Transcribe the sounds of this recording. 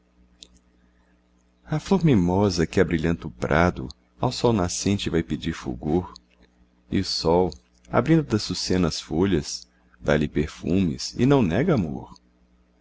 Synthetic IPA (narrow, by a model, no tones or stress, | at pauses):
ɐfloɾmimɔzɐkɪabɾiʎɐ̃nt̪ʊpɾʔad̪ʊ̰ | awsɔwnasẽnt͡ʃɪvajped͡ʒiɾfṵɡoɾ | iʊsɔw | a̰bɾĩnd̪ʊd̪ɐsusẽnɐsfoʎɐs | d̪alɪpeɾfũmɪ̰sɪ̰nɐ̃w̃nɛɡɐamo̰ɾ